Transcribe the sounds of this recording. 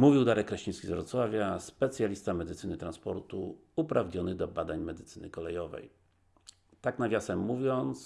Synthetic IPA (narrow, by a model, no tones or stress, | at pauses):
muvʲiwd̪aɾɛkːɾɛɕĩskʲizvɾɔt̪swavʲjaspɛt̪sʲjalʲist̪amɛd̪ɘt̪sɘnɘt̪ɾanspɔɾt̪u | upɾavɲɲɔnɘd̪ɔbad̪aɲmɛd̪ɘt̪sɘnɘkɔlɛjɔvɛ̰j | t̪aknavʲjasɛmːuvʲjɔnt̪s